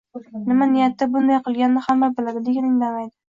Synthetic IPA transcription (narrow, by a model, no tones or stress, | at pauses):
nɪmanɪjat̪ːabʊnd̪ajqʰɨlˠɡʲanːɪhamːabɪlad̪ɪd̪eɡʲanɪŋlamajd̪ɪ